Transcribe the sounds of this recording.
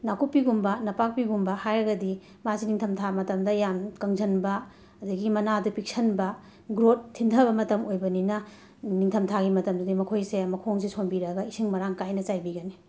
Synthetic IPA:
nakupːiɡumbɐnɐpak̚piɡumbɐhajɾɐɡɐdi | maziniŋtʰɐmtʰamɐtɐmdɐjamkɐŋzɐnbɐ | ɐdɐɡimɐnadupik̚sʰɐnbɐ | ɡɾot̚tʰːindʰɐβɐmɐtɐmojbɐninɐ | niŋtʰɐmtʰaɡimɐtɐmdɐdimɐkʰojseɐmɐkʰoŋs̬isʰonbiɾɐɡɐisʰiŋmɐɾaŋkajnɐt͡ʃajbiɡɐni

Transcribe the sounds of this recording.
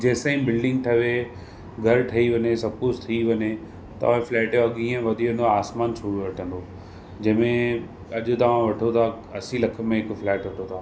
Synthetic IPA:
d͡ʑɛːsaːĩbɪlɖɪ̃ŋɡ̚ʈ̪ʰɐʋe | ɡʱɐɾʈ̪ʰɐiʋɐɲesɐb̚kʊst̪ʰiiʋɐɲe | t̪ɐ̰ʋ̤ãflɛːʈeɐɠĩːə̃ʋɐd̪ʱiʋə̃ːnd̪oaaːsmaːnsʰuɾʋɐʈʰə̃nd̪o | d͡ʑɐ̃ɦɪ̃mẽ | ɐʄʊ̆t̪ɐʋ̤ãʋɐʈʰot̪ʰa | ɐsilɐkʰə̆mẽɦɪkflɛːʈʋɐʈʰot̪ʰaː

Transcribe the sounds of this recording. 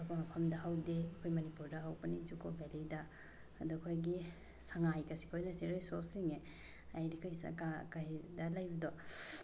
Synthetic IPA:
ɐkʰmɐpʰɐmdɐɦawdeɐkʰojmɐnipuɾdɐɦawbɐnid͡ʒukʰobʱelidɐː | duɐkʰojɡi | sɐŋajkɐsi̥kʰojnɐsiɾesosiŋe | ajdikʰohisɐ̰kakaɦidɐlajbidɔ

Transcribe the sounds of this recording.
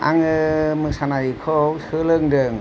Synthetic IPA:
a̰ŋɯmɯsanajkʰɔwsɯlɯŋdɯŋ

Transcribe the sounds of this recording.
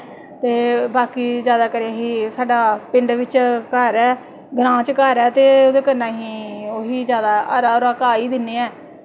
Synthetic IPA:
t̪eːbaːkiːzjaːd̪aːkəɾeaːɦiːsaːɖaːpɪɳɖʋɪt͡ʃkəɾɛː | ɡɾãːt͡ʃkəɾɛːt̪eːoːd̪eːkəɾnãːɦĩːoːɦiːzjaːd̪aːəɾaːɾakaːiːd̪ɪnːeːɛː

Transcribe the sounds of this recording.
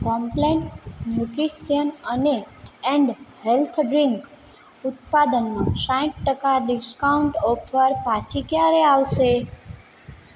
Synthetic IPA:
kɔmpleɳʈnjuʈɾisijənəneɛ̃ɳɖhelt̪ʰɖɾiŋk | ʊt̪̚pad̪ənmãsãĩʈ̚ʈəkad̪ɪskauɳʈopəɾpãt͡ʃʰikjaɾeaʋʃe

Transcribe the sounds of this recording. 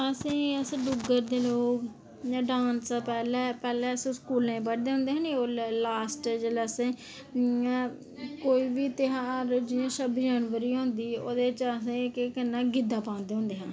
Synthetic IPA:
əsĩːəsɖʊɡəɾd̪eːloːkː | ɖãːnspɛːlɛːpɛːlɛːəsĩːskuːlnẽːbəʈd̪eːɦʊ̃nd̪eːɦãːnioːlaːsʈd͡ʒelaːsẽː | koːiːʋiːt̪ɪɦaːɾd͡ʒɪãːʃəbid͡ʒənʋəɾiːɦʊ̃nd̪iːoːd̪eːt͡ʃəs̬ẽːkkənːãːɡɪd̪aːpãːnd̪eːɦʊ̃nd̪eːɦãː

